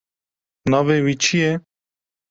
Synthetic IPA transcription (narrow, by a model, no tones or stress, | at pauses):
naːveːwit͡ʃʰije